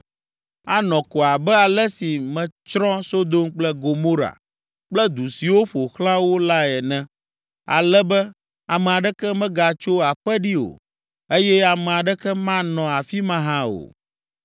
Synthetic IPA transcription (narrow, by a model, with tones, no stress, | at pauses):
a˦nɔ̃˨kɔ˨a˨bɛ˦a˨lɛ˦si˨mɛ̃˨t͡ʃɾɔ̃˦so˦d̪o˦mk͡plɛ˦ɡo˨mo˦ɾa̰˨ | k͡plɛ˦d̪u˨si˨wo˦ɸo˨xlã˦wo˦la˦ɛ˨nɛ̃˦ | a̰˨lɛ˦bɛ˦ | a˨mɛ̃˨a˨ɖɛ˦kɛ˦mɛ̃˦ɡa˨t͡ʃo˦a˨ɸɛ˦ɖi˦o̰˨ | e˦jɛ˦a˨mɛ̃˨a˨ɖɛ˦kɛ˦mã˦nɔ̃˨a˨fi˦mã˦ɦã˦o̰˨